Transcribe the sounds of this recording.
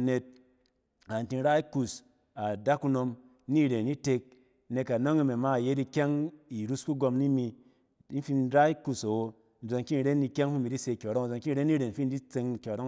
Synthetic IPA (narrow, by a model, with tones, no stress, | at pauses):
ne˧t̚ | a˨n˨ti˧n̩˦ɾa˦i˦ku˦s | a˨da˦kːu˦no˧m | ni˦˨ɾe˨ni˦te˧k̚ | ne˧ka˨no˦ŋi˦me˨ma˦˨je˦di˧kʲa˦ŋi˨ɾu˦sku˦ɡo˧mni˦mi˧˦ | n̩˦fi˦nɾa˦i˦ku˦sa˨wo˨ | n̩˦zo˧ŋki˦n˨ɾe˦ni˧kʲa˦ŋ˦fu˦mi˨ɾi˦se˧˨kʲo˨ɾo˦ŋ̩˨zo˧ŋki˦˨ɾe˦ni˦ɾe˨n̩˨˦fi˦n˦di˦t͡se˧ŋ˨kʲo˨ɾo˦